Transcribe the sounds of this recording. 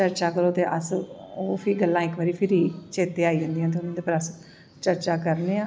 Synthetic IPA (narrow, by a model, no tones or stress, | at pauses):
t͡ʃəɾt͡ʃaːkəɾoːt̪eːʔə̰soːpʰiːɡəlːãːɪkʋaːɾiːpʰɪɾiːt͡ʃeːt̪eːaːiːd͡ʒə̃ːnd̪iːãːt̪̬eʊnãːd̪eːpəɾəs | t͡ʃəɾt͡ʃaːkəɾneːãː